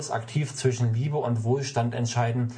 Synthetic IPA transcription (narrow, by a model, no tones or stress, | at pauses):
sa̰ktʰiːft͡sv̥ɪʃn̩liːbəʊntv̥oːlʃtantɛ̰ntʃaɪdn̩